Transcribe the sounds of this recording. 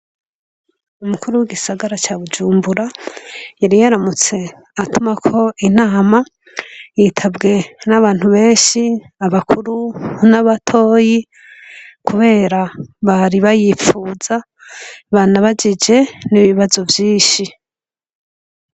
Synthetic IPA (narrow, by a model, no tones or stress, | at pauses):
umukuɾuwiɡisaɡaɾat͡ʃaːβud͡ʒuːmbuɾajaɾijaɾamut͡se̞ | atumakʰo̞inaːma | jitʰabɡe̞naβaːn̥huβe̞ːnʃi | aβakʰuɾunaβatʰo̞ːji | kuβe̞ːɾaβaɾiβajifuːza | βanaβad͡ʒid͡ʒe̞niβiβazo̞vjiːʃi